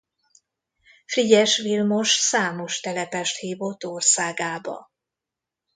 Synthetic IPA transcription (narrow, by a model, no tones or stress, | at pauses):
friɟɛʃʋilmo̞ʃsaːmo̞ʃt̪ɛlɛpɛʃt̪hiːvo̞t̪ːorsaːɡaːbɒ̰